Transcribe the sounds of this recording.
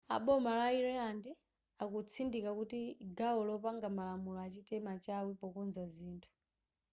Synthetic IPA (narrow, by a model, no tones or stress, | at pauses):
a̰ɓɔmalaiɾɛandi | akut͡sʰindikakutiɡaɔlɔpaŋɡamalamulɔːt͡ʃitɛmat͡ʃawipɔkunzaziːntʰu̥